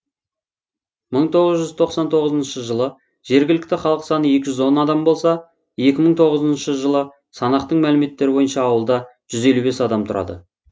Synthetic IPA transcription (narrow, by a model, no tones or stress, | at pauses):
məɴt̪ʰo̞ʁəzʒʏz̥t̪ʰo̞qsɑnt̪ʰo̞ʁəzənʃəʒəlˠə | ʒ̥e̞ɾɡʲɪlɪk̚ʲt̪ɪχɑlˠəqsɑnəje̞kʲɪʒʏzwo̞nɑd̪ɑmbo̞lˠsɑ | je̞kʲɪməɴt̪ʰo̞ʁəzənʃəʒəlˠə | sɑnɑqt̪əɴmælɪme̞t̪ːe̞ɾɪbo̞jənʃɑːwəlˠd̪ɑʒ̥ʏze̞lube̞sɑd̪ɑmt̪ʰʊɾʔɑ̰d̪ə̰